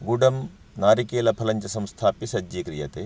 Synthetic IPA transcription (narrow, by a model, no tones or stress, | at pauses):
ɡuɖɐm | naːɾikeːlɐpʰɐlɐɲt͡ʃɐsɐ̃mst̪ʰaːpisɐd͡ʒːikɾijɐt̪e